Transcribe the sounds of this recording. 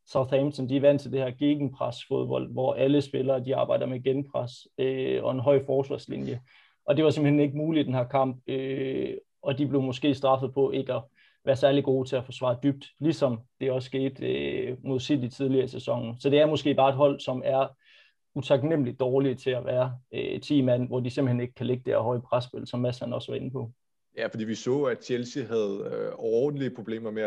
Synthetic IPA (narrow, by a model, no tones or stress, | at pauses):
sɑðɛmsʰɒnd̥iæʋæn̰d̥t͡sʰe̝ld̥e̝hæɐɡ̥e̝ːɡ̥n̩pʰʁasfo̝ð̞ˠb̥ɒ̽l̰d̥ʋɒʔæləsb̥e̝lɐːd̥iɑ̈ːb̥ɑ̈ɪ̰d̥ɐmeɡ̥enpʰʁasøɒ̽e̝nɦɒ̽ɪ̰fɒːsʋɑ̈ːslḭnjə | ʔɒ̽d̥e̝ʋɑsem̥̩hene̝ɡ̥əmuːlid̥enhæɐ̰kʰɑ̈m̰b̥̚ø | ɒ̽d̥ib̥le̝ʊmɒ̽sɡ̥e̝̰ːsd̥ʁɑ̈fəð̩ˠpʰɒ̽ʔe̝ɡ̥æ | ʋæːɐsæɐliɡ̥o̝̰ːt͡sʰe̝æfɒsʋɑ̈ːd̥yb̥̚d̥lisɒ̽md̥e̝ɒ̽sːɡ̥e̝̰ːd̥ømoðˠsilˠit͡sʰið̞ˠliɐisesɒ̽ŋ̰n̩sɒ̽d̥e̝æɐmɔ̽sɡ̥e̝̰ːb̥ɑ̈ːed̥ɦɒ̽l̰sɒ̽mæɐ | ut͡sʰɑ̈ɡ̥nem̰əlid̥̚ɒːliət͡sʰe̝æʋæːɐøt͡sʰḭːmæn̰ʋɒd̥ise̝m̥̩hene̝ɡ̥ə̥kʰæle̝ɡ̥əd̥eæ̰hɒ̽ɪəpʰʁasb̥el̰sɒ̽mːæshænɒ̽sʋɑ̈e̝nəpʰɒ̽ | jæfɒd̥ḭːʋisɔ̰̽ːæd̥ɕʰelsiɦæð̩ˠɒːd̥n̩liəpʰʁo̝b̥le̝̰ːmɐme